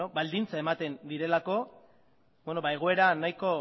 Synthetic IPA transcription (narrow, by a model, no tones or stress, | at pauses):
oβald̪int͡sae̞mat̪e̞nd̪iɾe̞lako̞ | bweno̞βae̞ɣ̞o̞e̞ɾanajko̞